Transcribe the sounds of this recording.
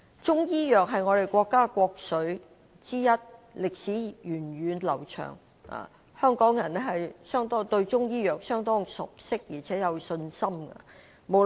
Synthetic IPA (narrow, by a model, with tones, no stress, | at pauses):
t͡sʊ˥ŋjiː˥jœː˨k̚ɦɐ˨jŋɔː˨˧ɾe˨jkʷɔː˧kːaː˥kʷɔː˧k̚sɵ˨˥ɥ | t͡siː˥jɐ˥t̚ | lɪ˨k̚siː˨˥jyː˨˩nɥyː˨˧nlɐ̰˨˩wt͡ʃʰœ̰ː˨˩ŋ | a̰ː˨˩ | hœː˥ŋkɔː˨˥ŋjɐ˨˩nɛ˥ɦɐ˨jsœː˥ŋt̪ɔː˥t̪ɵ˧ɥt͡ʃʊ˥ŋjiː˥jœː˨k̚sœː˥ŋt̪ɔː˥ŋsʊ˨k̚sɪ˥k̚ji˨˩t͡sʰɛː˨˥jɐ˨˧wsɵ˧nsɐ˥mɡɐ̰˧ | mo˨˧